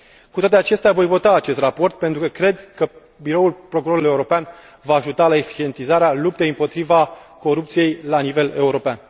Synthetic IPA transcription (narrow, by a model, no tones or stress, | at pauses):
kut̪at̪eat͡ʃe̞st̪eavo̞jvo̞t̪aːt͡ʃe̞st̪rapo̞rt̪̚pe̞nt̪ɾukəkɾe̞d̪kə | biɾo̞ulpɾo̞kuɾo̞ɾulie̞uɾo̞pean | vaːʒut̪alae̞fi̥t͡ʃe̞nt̪izaɾealup̚t̪ejɨmpo̞t̪ɾivako̞ɾup̚t̪sije̞jlanive̞le̞uɾo̞pean